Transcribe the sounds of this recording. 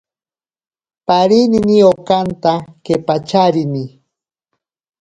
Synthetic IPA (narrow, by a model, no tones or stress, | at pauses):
paɾininiokant̪akepat͡ʃaɾini